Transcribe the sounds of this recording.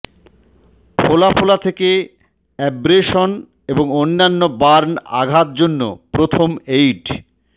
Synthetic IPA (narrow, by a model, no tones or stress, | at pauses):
pʰolapʰolat̪ʰeke | ɛbɾeʃon | eboŋonːanːobaɾna̰ɡʱat̪̚d͡ʑonːo̰pɾot̪ʰomejɖ